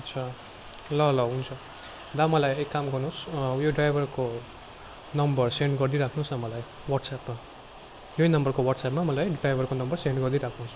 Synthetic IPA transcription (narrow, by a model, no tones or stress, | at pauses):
ʌtt͡sʰʌ | lʌlʌɦunt͡sʰʌ | d̪amʌlajekːamɡʌrnusjoɖrajbʱʌrko | nʌmbʌrseɳɖɡʌrd̪iɾakʰnusʌmʌlaj | wʌɖsapma | jojnʌmbʌrkowʌɽʈsapmamʌlajɖrajbʱʌrkonʌmbʌrseɳɖɡʌrd̪iɾakʰnus